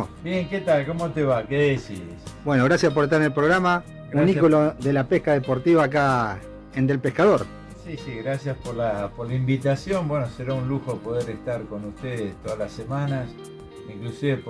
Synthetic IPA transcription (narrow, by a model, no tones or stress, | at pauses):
bjeŋket̪alkomot̪eβakeðesḭsbwenoɣ̞ɾasjasp̬oɾest̪aɾenelpɾoɣɾama | unikoloðelapehkaðepoɾt̪iβaːk̬a | end̪e̞lpehkaðoɾ | sisiɣɾasjaspoɾlapoɾlaimbit̪asjombwenoseɾaunluxopoðeɾest̪aɾko̞nust̪eðest̪oðalasemanas | iŋklusiβep